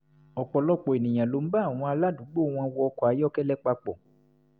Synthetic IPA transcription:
ɔ˨k͡pɔ˨lɔ˦k͡pɔ˨e˨nĩ˨j̃ã˨lo˧˦m̩˦ba˦a˦˨w̃ɔ̃˧a˧la˦du˨˦ɡ͡bo˦˨w̃ɔ̃˧wɔ˧ɔ˧kɔ˨a˨˦jɔ˦kɛ˦lɛ˦k͡pa˧k͡pɔ˨

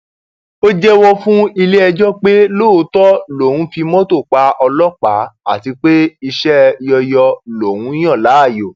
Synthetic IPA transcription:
o˦d͡ʒɛ˦wɔ˦fũ˦i˧le˦ɛ˧d͡ʒɔ˦k͡pe˦lo˦˨˧tɔ˦lo˨wũ˨˦fi˧mɔ̃˦to˦˨k͡pa˧ʔɔ˧lɔ˦k͡pa˨˦a˦˨ti˧k͡pe˦i˧ʃɛ˦jɔ˧jɔ˧lo˨w̃ũ˨˦j̃ɔ̃˦˨la˨˦a˦˨jo˨

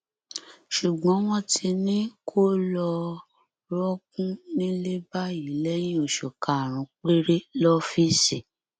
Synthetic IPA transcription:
ʃu˨ɡ͡bɔ̃˨˦w̃ɔ̃˦tʰi˧nĩ˦kʰo˦lɔ˧ | ɾɔ˦kũ˦nĩ˦le˦ba˦ji˨˦lɛ˦j̃ĩ˦o˨ʃɔ˨kʰa˨ɾ̃ũ˨˦k͡pe˦ɾe˦lɔ˦fi˦si˨

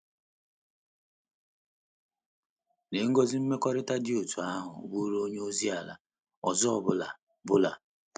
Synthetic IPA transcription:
ne˨ŋ̩˦ɡo˦zɪ˦m̩˦me˦kʷɔ˦ɾɪ˦ta˦dɪ˦u˨tu˨a˦ɦʊ̰˨bu˦ɾo˦ɲ˦o˦zi˦a˨la̰˨ | ɔ˨zɔ˦ɔ˦˨bʊ˦la˨ | bʊ˦la̰˨

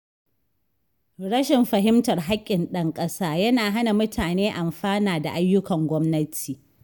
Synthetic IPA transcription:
ɽɐ˦ʃɪ˨mɸɐ˨ɦɪ˦mtɐ˨rɦa˦kʲʼːɪ˨nɗɐ˦ŋkʼɐ˦saː˦jɐ˦naː˨ɦa˦na˨mʊ˦tʰaː˨neː˦ʔa˨mɸaː˦naː˨da˨ʔa˦jːʊ˦kɐ˨ŋɡʷɔ˦mnɐ˦tʰiː˨

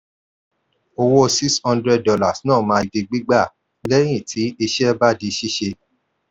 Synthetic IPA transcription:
o˧wo˦si˦kshɔ̃˧ndɾɛ˦ddɔ˧la˨snãː˦˨mãː˧i˧de˧ɡ͡bi˦ɡ͡ba˦˨ | lɛ˦j̃ĩ˦˨tʰi˨˦i˧ʃɛ˦ba˦di˧ʃi˦ʃe˧

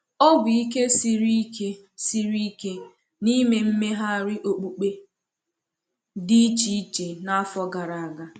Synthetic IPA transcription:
ɔ˦ɡʊ˨i˦ke˦si˦ɾi˦ke˦ | si˦ɾi˦ke˦ | ni˦me˨m̩˦me˦ɦa˦a˦˨ɾɪ˦ʔo˨k͡pu˨k͡pe˦ | di˦t͡ʃi˨i˦t͡ʃe˨na˦a˦fɔ˦ɡa˨ɾa˨a˨ɡa˨

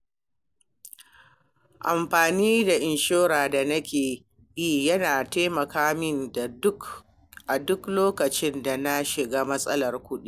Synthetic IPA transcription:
ʔa˨mɸaː˨niː˦da˨ʔɪ˨nʃoː˦ɾaː˨da˨nɐ˦kʲeː˨ | ji˦˨jɐ˦naː˨ta˦mɐ˨kaː˦mɪ˦nda˨ʊ˦k | ʔa˨dʊ˦kloː˦kɐ˨t͡ʃɪ˦nda˨na˦ʃɪ˨ɡaː˦mɐ˦sʼɐ˦lɐ˨rkʷʊ˦ɗi˦

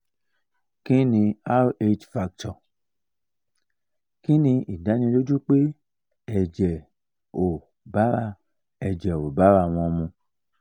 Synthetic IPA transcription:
kĩ˦nĩ˧a˦ɾe˦t͡ʃfa˧k̚tɔ˨ | kĩ˦nĩ˧i˨da˨˦nĩ˧do˦d͡ʒu˦k͡pe˦ | ɛ˦˨d͡ʒɛ˨ | o˨ | ba˨˦ɾa˧ | ɛ˨d͡ʒɛ˨o˨ba˨˦ɾa˧˨w̃ɔ̃˧mũ˧

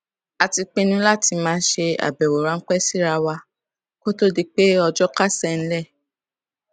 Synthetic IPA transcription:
a˨ti˧k͡pẽ˧nũ˧˦la˦˨ti˧mãː˦ʃe˧a̰˨bɛ˨wo˨ɾã˦ŋ̩˦k͡pɛ˦˨si˦ɾa˧wa˧ | ko˦to˦di˧k͡pe˦ɔ˧d͡ʒɔ˦ka˦sɛ˦˨ñ̩˦lɛ˦˨

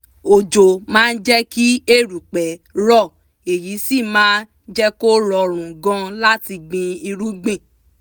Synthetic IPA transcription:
o˨d͡ʒo˨mãː˦˧n̩˦d͡ʒɛ˦ki˦e˦˨ɾu˨k͡pɛ˨˦ɾɔ˦˨ | e˨ji˨˦si˦˨mãː˦n | d͡ʒɛ˦ko˦ɾɔ˧ɾ̃ũ˨ɡɔ̃˦la˦ti˧ɡ͡bĩ˧i˧ɾu˦ɡ͡bĩ˦˨

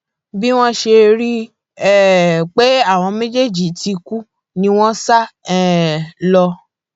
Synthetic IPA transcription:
bi˦w̃ɔ̃˦ʃe˧ɾi˦ | ɛ˦˨k͡pe˦a˦˨w̃ɔ̃˧mẽ˦d͡ʒe˦˨d͡ʒi˨ti˨˧ku˦ | nĩ˦w̃ɔ̃˦sa˦ɛ˦˨lɔ˧

